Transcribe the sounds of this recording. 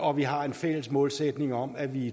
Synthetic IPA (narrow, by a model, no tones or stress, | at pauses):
ɒ̽ʋiɦɑ̈e̝nfel̰əsmɔ̽ːlsed̥ne̝ŋɒ̽m̰æʋi